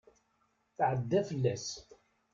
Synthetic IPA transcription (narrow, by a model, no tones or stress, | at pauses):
θʕəd̪ːæfəlːæs